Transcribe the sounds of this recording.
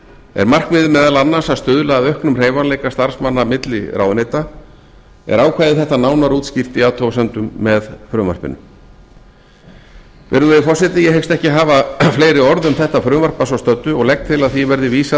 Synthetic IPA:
ɛ̰ɾmar̥kmɪːðʏmɛːðalanːasast̪ʏðʏlaːðœhknʏmr̥eːjvanleːjkast̪aɾ̥smanːamɪt̪lɪ̰ɾa̰ːwðnejt̪a | ɛ̰ɾaːwkʰvaːjðɪθɛht̪anaːwnaɾuːt̪scɪft̪ɪaːt̪ʰowsɛnt̪ʏmːɛðfɾʏːma̰r̥pɪ̰nʏ̰m | vɛ̰ɾðʏɛfɔr̥sɛt̪ɪjɛhejkst̪ɛhcɪɦaːvafleːjɾɪɔɾðʏmθɛht̪afɾʏːmar̥pasvawst̪œt̪ːʏɔɣlɛk̚t̪ʰɪlaðθivɛɾðɪviːsa

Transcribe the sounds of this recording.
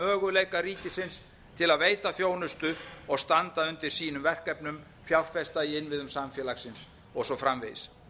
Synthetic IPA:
œːɣʏlejkaɾiːcɪsɪns | t̪ʰɪlaðveːjt̪afjoːwnʏst̪ʏɔɣst̪ant̪aʏnt̪ɪɾ̥siːnʏmvɛr̥kɛpnʏm | fjawlfɛst̪aiɪnvɪðʏmsamfjɛlaxsɪns | ɔɣsɔfɾamvḛjs

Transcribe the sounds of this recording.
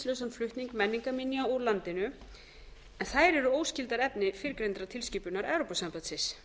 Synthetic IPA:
slœwsanflʏht̪niŋkmɛnːiŋkaminjaulant̪ɪnʏ | ɛnθaðɾɛɾʏoːwscɪlt̪aɾɛpnɪfɪɾkɾejnt̪ɾat̪ʰɪlsciːpʏnaɾɛwɾopasampat̪sɪs

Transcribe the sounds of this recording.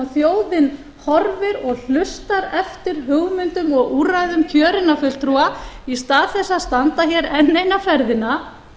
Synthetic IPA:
θjoːwðɪn | hɔɾvɪɾɔɣl̥ʏst̪aɾɛft̪ɪɾ̥ɦʏɣmʏnt̪ʏmɔɣuːrajðʏmcʰœːɾɪnafʏl̥t̪ʰɾuaist̪aːðθɛsːaðst̪ant̪açɛɾɛnːejnafɛɾðɪna

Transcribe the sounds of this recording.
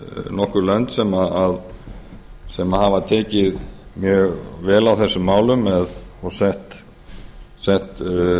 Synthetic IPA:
nɔhkʏɾlœnt̪sɛmaað | sɛmahavat̪ʰɛːcɪðmjœːɣvɛːlawθɛsːʏmːaːwlʏmːɛðɔɣsɛht̪ | sɛht̪

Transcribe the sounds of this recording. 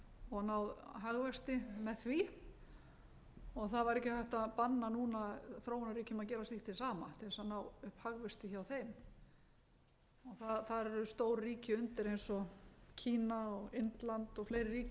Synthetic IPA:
ɔɣnawðɦaɣvɛst̪ɪmɛðθvi | ɔɣθaðvaɾɛhcɪfajht̪aðpanːanuːnaθɾoːwnaɾiːcʏmaðc̬ɛːɾasliht̪ʰːɪlsaːma̰t̪ʰɪlɛsanawʏhphaɣvɛst̪ɪçawθejm | ɔɣθaðθaðɛɾʏst̪oːwɾːiːcɪʏnt̪ɪɾejnsɔcʰiːnaɔɣɪnt̪lant̪ɔɣfleːjɾɪriːc

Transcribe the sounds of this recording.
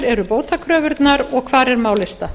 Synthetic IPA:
ɾɛɾʏpoːwt̪akʰɾœːvʏɾt̪naɾɔɣkʰvaːɾɛɾmaːwlɪst̪a

